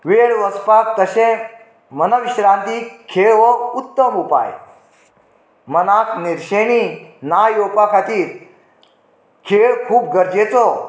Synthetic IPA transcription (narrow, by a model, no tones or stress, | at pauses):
ʋeɭʋəspak̚t̪əɕẽ | mənəʋiɕɾant̪iːkʰeɭʋəut̪ːəmupa̰j | mənakniɾɕeñinajopakʰat̪iːɾ | kʰeɭkʰuːp̚ɡəɾd͡ʑet͡sɔ